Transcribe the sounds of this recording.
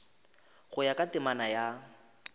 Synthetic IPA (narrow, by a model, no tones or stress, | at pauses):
ɣʊjakʼatɪmanaja